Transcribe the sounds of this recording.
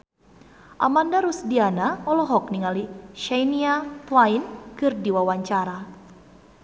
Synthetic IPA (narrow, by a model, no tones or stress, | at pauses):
ʔa̰mandaɾusdianaɔlɔɦɔk̚niŋaliʃajniatlainkɨrdiwawaɲt͡ʃaɾa